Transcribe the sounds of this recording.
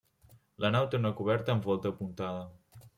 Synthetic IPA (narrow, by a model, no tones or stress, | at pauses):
lʔənawt̪eunəkuβ̞ɛɾt̪əːmfɔlˠt̪əːpunt̪aðə